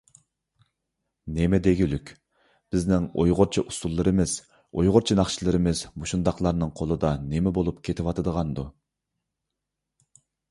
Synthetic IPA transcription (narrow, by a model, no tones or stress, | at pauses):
nemɛd̪eɡʲylykʲ | b̥ɪznɪŋo̰jʁʊɾt͡ʃʰiʔusulˠːɨɾɨmɪz̥ | ojʁʊɾt͡ʃʰinɑχʃilˠɨɾɨmɪzmuʃund̪ɑχlˠɑɾnɨŋqʰolˠɨd̪ɑnemɛbolˠupkʲʰet̪ʰɪwɑt̪ʰɨd̪əʁɑnd̪u